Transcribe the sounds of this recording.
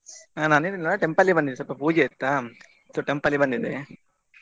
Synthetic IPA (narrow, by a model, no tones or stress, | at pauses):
anaːniɾnɐɭeʈempɐlːibɐnd̪id̪esɔpːɐpuːd͡ʒeːt̪ːa | soʈempɐlːibɐnd̪id̪e